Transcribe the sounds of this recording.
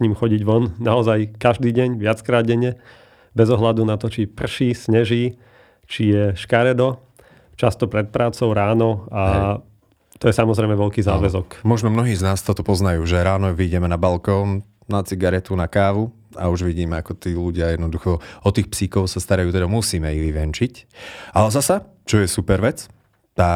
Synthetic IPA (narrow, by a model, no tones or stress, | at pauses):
ɲiːmxɔɟiɟʋɔnnaɔzajkaʒd̪iːɟɛɲʋɪat͡skɾaːd̪̚ɟɛɲɛ | bɛzɔɦlad̪unat̪ɔt͡ʃipr̩ʃiːsɲɛʒiː | t͡ʃijɛʃkaɾɛd̪ɔ | t͡ʃast̪ɔpɾɛt̪̚pɾaːt͡sɔʊɾaːnɔa | t̪ɔjɛsamɔzɾɛjmɛʋɛʎkiːzaːʋɛzɔkmɔʒnɔmnɔɦiːznaːst̪ɔt̪ɔpɔznajuːʒɛɾaːnɔʋiɟɛmɛnabalkɔːn | nat͡siɡaɾɛt̪unakaːʋu | a̰uʒʋiɟiːmɛakɔt̪iːluɟɪajɛd̪nɔd̪uxɔɔt̪iːxpsiːkɔʊsast̪aɾajuːt̪ɛd̪amusiːmɛiʋiʋɛnt͡ʃicʔalɛzasa | t͡ʃɔjɛsupɛɾʋɛt͡s | t̪aː